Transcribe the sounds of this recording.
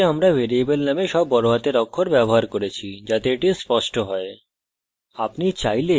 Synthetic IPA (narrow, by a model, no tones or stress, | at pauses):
eamɾaveɾiebelnameʃɔbːɔɾoɦat̪eɾɔkʰːoɾbɛboɦaɾkoɾet͡ɕʰid͡ʑat̪eeʈispɔʃʈoɦɔe | apnit͡ɕajle